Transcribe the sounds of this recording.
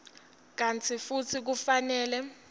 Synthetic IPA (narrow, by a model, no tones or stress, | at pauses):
k̬ant͡sʰifut͡sʰik̬ufanɛːlɛ